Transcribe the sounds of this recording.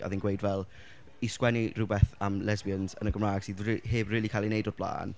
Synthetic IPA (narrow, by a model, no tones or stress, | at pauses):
ɔ̰ðinɡwejdvɛlˠ | iskwɛnirʊbɛθamlɛzbiənzə̰nəɡəmraːɡ̥sidriɦeːbriːlikʰaːlˠinejdɔd̚b̥lˠa̰ːn